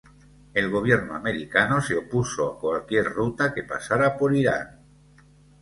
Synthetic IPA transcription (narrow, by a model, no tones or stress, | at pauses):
e̞lɣ̞o̞β̞je̞ɾnoa̰me̞ɾikanoseo̞puso̞akwalkje̞ɾrut̪ake̞pa̰saɾapo̞ɾiɾa̰n